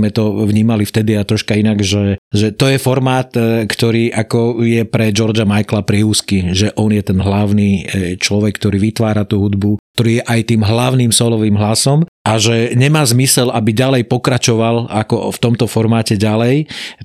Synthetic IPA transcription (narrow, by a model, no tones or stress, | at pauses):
mɛt̪ɔʋɲiːmalift̪ɛd̪iat̪ɾɔʃkainaɡʒɛʒɛt̪ɔjɛfɔɾmaːt̪kt̪ɔɾiːʔakɔjɛpɾɛd͡ʒɔɾd͡ʒamajklapɾɪɛuːskiʒɛʔɔnjɛt̪ɛnɦlaʊniːt͡ʃlɔʋɛkːt̪ɔɾiːʋit̪ʋaːɾat̪uɦud̪buk̚t̪ɔɾiːjɛʔajt̪iːmɦlaʊniːmsɔlɔʋiːmɦlasɔmʔaʒɛɲɛmaːzmisɛlabiɟalɛjpɔkɾat͡ʃɔʋalakɔ̰ft̪ɔmt̪ɔfɔɾmaːcɛɟalɛj